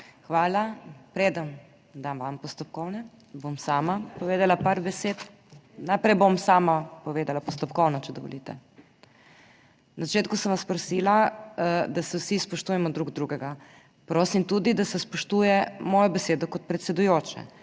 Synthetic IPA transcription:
xʋaːlapɾeːd̪am | d̪amʋampɔst̪ɔp̚kɔwnɛ | bomsaːmapɔʋeːd̪alapaɾbɛseːt̪ | najpɾɛjbomsaːmapɔʋeːd̪alapɔst̪ɔpkɔwnɔt͡ʃɛd̪ɔ̰ʋɔ̰lit̪ɛ | nazat͡ʃeːt̪kusənʋaspɾɔsiːla | d̪asɛwsispɔʃt̪uːjɛmɔd̪ɾuːɡd̪ɾuɡɛɡa | pɾoːsimt̪ud̪id̪asɛspɔʃt̪ujɛmɔːjɔbɛseːd̪ɔkɔt̪̚pɾɛt̪sɛd̪ujoːt͡ʃɛ̰

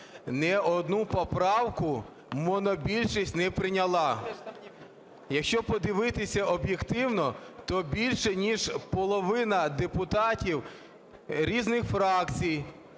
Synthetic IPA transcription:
nɛɔd̪nupɔpɾɑwkʊ | mɔnɔbʲilʲʃisʲtʲnɛpɾɪnʲɐlˠɑ | jɐkʃt͡ʃɔpɔd̪ɪʋɪt̪ɪsʲɐɔbjekt̪ɪwnɔt̪ɔbʲilʲʃɛnʲiʒpɔlˠɔʋɪnɐd̪epʊt̪ɑtʲiw | ɾʲiznɪxfɾɑkt͡sʲij

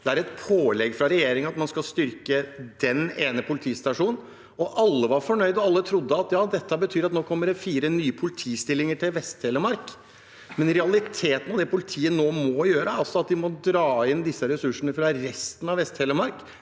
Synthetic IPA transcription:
d̪̥ɛæɾɛt̪pʰoːlɛɡfɾɑɾɛjeːɾɪŋɑt̪mɑnskɑlst̪ʏɾkəd̪ɛneːnəpʰʊlɪt̪ʰiːst̪ɑʂuːnn̩ | ɔʔɑlːəʋɑɾfɔɳœʏd̪ɔɑlːət̪ʰɾʊd̪ːəɑt̪jɑːd̪ɛt̪ːəbət̪ʰyːɾɑt̪noːkʰɔmːəɖɛfiːɾənyːəpʰʊlɪt̪ʰiːst̪ɪlːɪŋəʈʰɪlʋɛst̪hɛːləmɑɾk | mɛnɾɛɑlɪt̪ʰeːt̪ən̩ɔd̪ɛpʊlɪt̪ʰiːənoːmɔjøːɾəɑlsɔɑt̪̚d̪ɪmɔd̪ɾɑːɪnd̪ɪsːəɾɛsʉʂəɳəfɾɑɾɛst̪ənɑʋɛst̪hɛːləɾmɑɾk

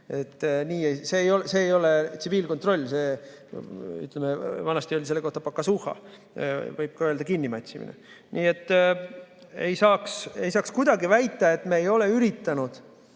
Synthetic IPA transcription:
e̞t̪ːniːese̞ːjo̞lse̞ːjo̞let̪siviːlkot̪ro̞lʲːse̞ː | y̰t̪ˑlemevɑnɑst̪io̞lʲise̞lːeko̞ht̪ɑpɑkːˑɑsuhɑ̰ | vɤjb̥̚kɑøld̪ɑkinːimɑt̪ʲsimḭnḛ | nʔiːe̞t̪ː | e̞̰jsɑːkse̞̰jsɑːkskud̪̥ɑɡivæjt̪ːˑɑe̞t̪ːmeːjo̞le̞yɾit̪ːɑnud̪̥

